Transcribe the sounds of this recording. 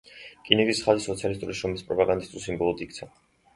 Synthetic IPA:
kʼinɛɡisχazisɔt̪sʰialist̪ʼuɾisʃɔmispʼɾɔpʼaɡand̪ist̪ʼulˠsimbɔlˠɔd̪ikt̪sʰa

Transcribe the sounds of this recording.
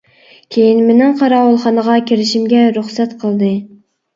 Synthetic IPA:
kʲʰejinmenɪŋqʰɑɾɑwulˠχɑnəʁɑkʲʰeɾɪʃimɡʲɛɾuχsɛt̪qʰəlˠd̪ɨ

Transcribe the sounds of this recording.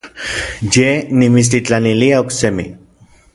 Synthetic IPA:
d͡ʒenimis̬ɾit͡ɬaniliauksemḭ

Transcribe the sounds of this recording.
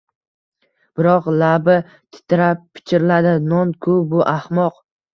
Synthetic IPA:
b̥ɪɾɒqlabɪ | t̪ʰɪ̥t̪ʰɪɾappʰːɪ̥t͡ʃʰɪɾɪlad̪ɪnɒnkʰʊbʊʔahmɒq

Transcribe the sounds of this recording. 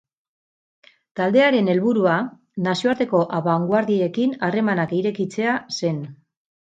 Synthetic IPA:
t̪ald̪e̞aɾe̞ne̞lβuɾua | nasio̞aɾt̪e̞ko̞ʔaβaŋɡwaɾðie̞kinare̞manakiɾe̞kit͡se̞ase̞n

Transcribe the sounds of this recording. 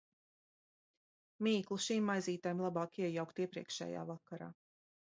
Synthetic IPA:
miːklˠuʃiːmːajziːt̪ajmlˠabɑːkiɛjawkt̪iɛpɾḭɛkʃɛ̰ːja̰ːvakːaɾa̰ː

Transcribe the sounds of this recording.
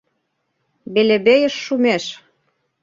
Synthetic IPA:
beleβejə̆ʃːumeʃ

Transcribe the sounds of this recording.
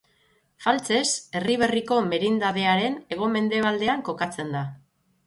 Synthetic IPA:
falt͡se̞se̞riβe̞riko̞me̞ɾind̪að̞e̞aɾe̞ne̞ɣ̞o̞me̞nd̪e̞β̞ald̪e̞aŋko̞kat͡se̞nd̪a

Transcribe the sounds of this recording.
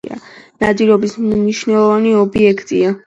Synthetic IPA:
a̰nad̪iɾɔbisniʃnɛlˠɔvaniɔbiɛkʰt̪ʼia

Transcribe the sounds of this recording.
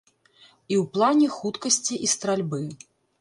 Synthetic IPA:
iwplˠanʲɛxut̪kɐsʲt͡sʲiʔist̪ɾalʲbɨ

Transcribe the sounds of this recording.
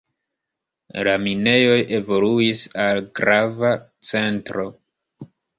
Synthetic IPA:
lamine̞jo̞je̞vo̞luisalɡɾava | t͡se̞ntɾo̞

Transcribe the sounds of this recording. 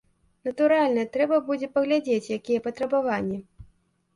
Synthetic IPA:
nɐt̪uɾalʲnɐɛt̪ɾɛbɐbud͡zʲɛpɐɣlʲad͡zʲet͡sʲjakʲijɛpɐt̪ɾɐbavanʲːi

